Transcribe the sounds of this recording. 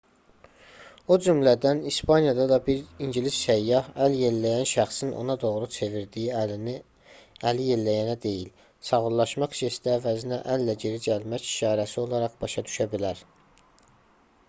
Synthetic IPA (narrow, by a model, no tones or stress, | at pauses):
od͡ʒymlæd̪ænispɑnjɑd̪ɑd̪ɑbiɾiɲɟilisʃæjːɑhælje̞lːæjænʃæχsino̰nɑd̪o̞ʁɾut͡ʃʰe̞viɾd̪ijiini | ælije̞lːæjænæd̪e̞jil | sɑɣullˠɑʃmɑqi̥ʃesid̪æːvæzinæʔælːæɟe̞ɾid͡ʒælmæç̥ʃɑːɾæsio̞lˠɑɾɑʁbɑʃɑd̪y̥ʃæbilæɾ